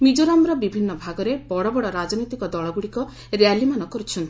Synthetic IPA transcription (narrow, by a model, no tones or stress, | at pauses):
mid͡ʒoɾamɾɔbibʱinːɔbʱaɡɔɾebɔɽɔbɔɽɔɾad͡ʒɔnɔjt̪ikɔd̪ɔɭɔɡuɽikɔ | ɾealimanɔkɔɾut͡ʃʰɔnt̪i̥